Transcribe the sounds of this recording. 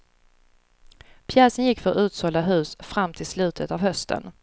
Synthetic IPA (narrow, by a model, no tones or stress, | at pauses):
pʰjɛːsənjɪkːfœɾʉ̟ːt̪sɔlːaɦʉ̟ːsfɾamːt̪ʰɪlslʉ̟ːt̪ʰət̪avɦœst̪ʰə̰n